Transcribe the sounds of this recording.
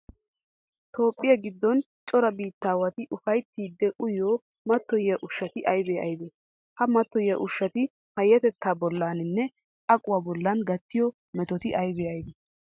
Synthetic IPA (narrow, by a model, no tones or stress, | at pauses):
t̪o̞ːpʼːɪjɐɡɪd̪ːɔn | t͡ʃʼɔɾɐbiːt̪ːaːwɐt̪ɪʔʊfɐjt̪ːiːd̪ːɛʔʊjoː | mɐt̪ːɔjjɐʔʊʃːɐt̪ɪʔɐjbeɐ̰jbeː | hɐmɐt̪ːɔjjɐʔʊʃːɐt̪ɪ | pɐjːɐt̪ɛt̪ʰːaːbɔlːaːnɪnːɛ | ɐkʼʊwaːbɔlːɐnɡɐt̪ːɪjɔ | mɛt̪ɔt̪ɪʔɐjbeɐjbɛ